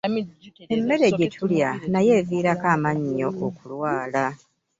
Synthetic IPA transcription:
emːe̞ɾe̞ɟe̞tʰuljanaje̞ːviːɾakaːmaɲːo̞ʔːkulwaːla

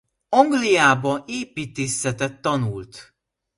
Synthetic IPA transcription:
ɒŋɡlijaːbɒeːpiːt̪eːsɛt̪ɛt̪ːɒnult̪

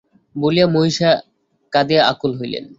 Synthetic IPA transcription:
bolijamoɦiʃa | kad̪iaa̰kulɦojlḛn

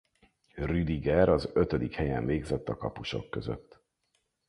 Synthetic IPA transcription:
ryd̪iɡɛɾɒzøt̪ød̪ikhɛjɛɱveːɡzɛt̪ːɒkɒpuʃo̞kːøzø̰t̪ː

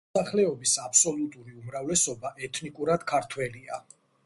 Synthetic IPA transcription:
aχlɛɔbisapʰsɔlut̪ʼuɾiumɾavlɛsɔbaʔɛt̪ʰnikʼuɾad̪̥kʰaɾt̪ʰwɛlia

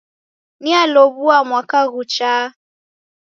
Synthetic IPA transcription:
nialoβuamwakaɣut͡ʃaː

